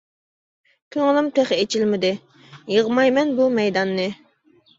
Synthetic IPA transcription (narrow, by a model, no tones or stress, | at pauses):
kʲʰøŋɪlˠɪmt̪ʰɛχet͡ʃʰilmɪd̪ɪ | jəʁmɑjmɛnbumɛjd̪ɑnːɨ